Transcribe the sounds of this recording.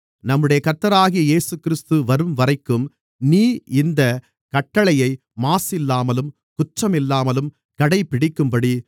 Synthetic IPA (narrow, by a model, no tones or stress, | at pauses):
nɐmːɯɽɐjɐkɐɾt̪ːɐɾaːɣijɐeːsɯkɪɾɪst̪ɯʋɐɾɯmʋɐɾɐɪkːɯm | niːɪnd̪ɐ | kɐʈːɐɭɐjɐɪ | maːsɪlːaːmɐlɯm | kʊt͡ʃrɐmɪlːaːmɐlɯm | kɐɽɐɪpːɪɽɪkːɯmpɐɽi